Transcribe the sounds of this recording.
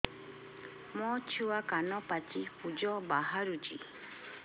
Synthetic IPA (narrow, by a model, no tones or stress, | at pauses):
mɔt͡ʃʰuwakanɔpatiud͡ʒɔbaɦaɾud͡ʒḭ